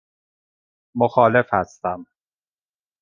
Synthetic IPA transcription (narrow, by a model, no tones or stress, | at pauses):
moxɒːle̞fhæst̪æm